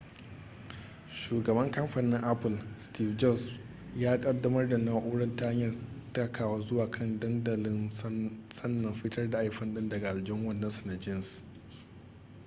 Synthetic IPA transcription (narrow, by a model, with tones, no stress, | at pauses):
ʃuː˨ɡɐ˨bɐ˦ŋkɐ˦mɸa˨nɪ˦ŋʔa˦pɪ˨lstiː˦fd͡ʒɔ˦˨s | jaː˦kʼɐ˦dːɐ˦mɐ˦rda˨naː˦ʔuː˦ɽɐ˦nta˦a˦ɲjɐ˨rta˦kʰaː˨waː˦zʊ˦waː˨kʰɐ˦˨ndɐ˦ndɐ˨lɪ˦n | sɐ˦nːɐ˨mɸi˦tɐ˦rda˨ʔa˦jɸɐ˦nɗɪ˦ndɐ˨ɡa˨ʔa˨ld͡ʒɪ˦ŋwɐ˦˨nːɐ˦nsɐ˨na˨d͡ʒɪ˦ns